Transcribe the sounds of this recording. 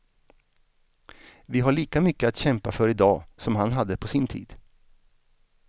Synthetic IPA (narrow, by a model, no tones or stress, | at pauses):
vɪɦaɭiːkamʏkːəat̪ɕɛmpafœɾɪd̪ɑːsɔmɦanɦad̪ːəpʰɔsɪnt̪ʰḭːd̪̥